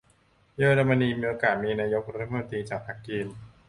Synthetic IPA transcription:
jəː˦˥ɾa˧ma˧niː˧miː˧ʔoː˧kaː˨˩t̪̚miː˧naː˧jo˦˥k̚ɾa˦˥t̪ʰːa˩˥mo˧nt̪ɾiː˧t͡ɕaː˨˩k̚pʰa˦˥kːiː˧n

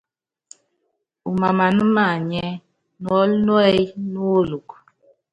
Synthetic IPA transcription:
u˨ma˨ma˨nu˦ma˨ɲɛ˦ | nwɔ˦lnu˦ɛ˦jnu˦lu˨k

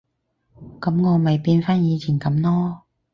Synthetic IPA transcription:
kɐ˨˥mŋɔː˨˧mɐ˨jpiː˧nfaː˥njiː˨˧t͡sʰiː˨˩nkɐ˨˥mnlɔː˥

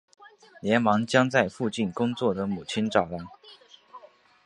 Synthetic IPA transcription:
ljɛ˧˥nmɑ˧˥ŋt͡ɕjɑ˥ŋt͡sa˥˧ɪfu˥˧t͡ɕi˥˩nkʊ˥ŋt͡swɔ˥˩d̪ə˦mu˨˩t͡ɕʰi˥nʈ͡ʂɑ˨˩ʊa˥˩n

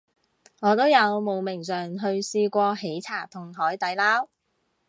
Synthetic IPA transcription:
ŋɔː˨˧t̪o˥wjɐ˨˧wmo˨˩wmɪ˨˩ŋsœː˨ŋɦɵ˧ɥsiː˧kʷɔː˧he˨˥jt͡sʰaː˨˩t̪ʰʊ˨˩ŋɦɔː˨˥jt̪ɐ˨˥jlaː˥w

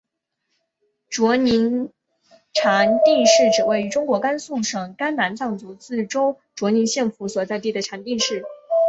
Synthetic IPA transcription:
ʈ͡ʂwɔ˧˥ni˧˥n | ʈ͡ʂʰa˧˥nt̪i˥˧ʂɻ̩˥˩ʈ͡ʂɻ̩˨˩we˥˩ɪy˧˥ʈ͡ʂʊ˥ŋkwɔ˧˥ka˥nsu˥˩ʂɤ˨˩ŋka˥nna˧˥nt͡sɑ˥˩ŋt͡su˧˥t͡sɹ̩˥˩ʈ͡ʂo˥ʊ | ʈ͡ʂwɔ˧˥ni˧˥nɕjɛ˥˧nfu˧˥swɔ˨˩t͡sa˥˧ɪt̪i˥˩d̪ə˩ʈ͡ʂʰa˧˥nt̪i˥˧ʂɻ̩˥˩

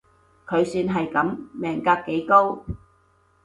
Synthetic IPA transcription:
kʰɵ˨˧ɥsyː˧nɦɐ˨jkɐ˨˥mmɛː˨˩ŋkaː˧kːe˨˥jko˥w

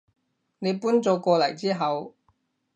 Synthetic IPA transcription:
ne˨˧jpuː˥nt͡sɔː˨˧kɔː˧lɐ˨˩jt͡siː˥ɦɐ˨˧w

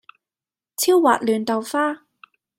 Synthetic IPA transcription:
t͡sʰiː˥wːa̰ː˨t̚lyː˨nt̪ɐ˨˩wfaː˥

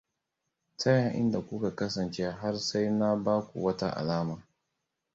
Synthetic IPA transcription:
tɐ˦ja˨ʔɪ̰˦nda˨kʷʊ˦ka˨kɐ˦sɐ˨nt͡ʃe˦ɦa˦rsa˦jna˦baː˦kʷṵ˨wɐ˦ta˦ʔa̰˨laː˦maː˨

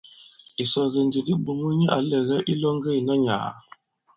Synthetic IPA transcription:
i˨sɔ˨ɣə˨ndi˨di˦bu˨mu˦ɲə˦ʔa̰˨˦lɛ˨ɣɛ˦ʔi˦lɔ˦ŋɡe˦i˨nɔ˦ɲa̰˨

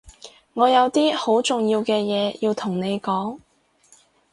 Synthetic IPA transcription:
ŋɔː˨˧jɐ˨˧wt̪iː˥ho˨˥wt͡sʊ˨ŋjiː˧wkɛː˧jɛː˨˧ji˧wt̪ʰʊ˨˩ŋne˨˧jkɔː˨˥ŋ

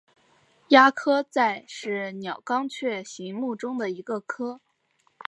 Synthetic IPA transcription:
ja˥kʰɤ˥t͡sa˥˧ɪʂɻ̩˥˩njɑ˨˩ʊkɑ˥ŋt͡ɕʰɥɛ˥˩ɕi˧˥ŋmu˥˩ʈ͡ʂʊ˥ŋd̪ə˨i˧˥ɡə˧kʰɤ˥

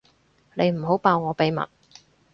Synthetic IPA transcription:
ne˨˧jm̩˨˩ɦo˨˥wpaː˧wŋɔː˨˧pe˨˧jmɐ̰˨˩t̚

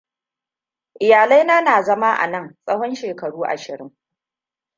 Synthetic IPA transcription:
ʔɪ˨jaː˨lɐ˦jnaː˦naː˨zɐ˦maː˦ʔa̰˨nɐ˦˨ŋsʼɐ˦hɔ˦nʃeː˨kɐ˨ɽuː˦ʔa̰˨ʃɪ˨ɽɪ˦ŋ

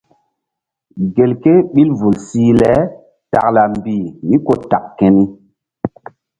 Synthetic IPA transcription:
ɡe˨lke˦ɓi˦lvu˨lsi˦lɛ˨˦ | ta̰˨kla˨mbi˨mi˦ko˦ta˨kkːɛ˦ni˦

